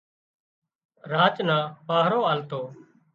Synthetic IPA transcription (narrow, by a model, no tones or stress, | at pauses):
ɾaːt͡ʃnãːpaːɦɾoːaːlt̪oː